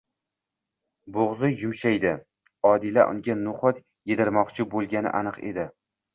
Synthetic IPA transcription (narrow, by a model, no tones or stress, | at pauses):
boʁzʊjʊmʃajd̪ɪ | ɒd̪ɪla̰ʔʊ̰ŋɡʲanːʊχɒt̪ | jed̪ɪɾmɒqt͡ʃʰɪbolˠɡʲanɪ̰ʔanɨqe̞̰d̪ɪ